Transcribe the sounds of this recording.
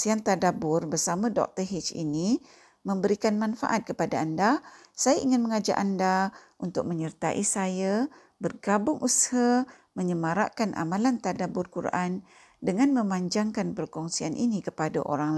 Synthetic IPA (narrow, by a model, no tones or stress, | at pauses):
siant̪adabʊrbərsamãdɔ̰k̚t̪əɦit͡ʃḭni | mə̃mbəɾikanmanfa̰ʔat̪̚kəpadaːnda | sajaʔiŋɪnməŋad͡ʒa̰ʔandaʔunt̪ʊk̚məɲərt̪aʔisaja | bərɡabʊŋʔushaməɲəmaɾa̰ʔkanʔa̰mãlant̪adabʊrkuɾ̰ʔan | dəŋanmə̃maɲd͡ʒaŋkanpərkɔŋsianʔḭnikəpada̰ʔo̰ɾaŋl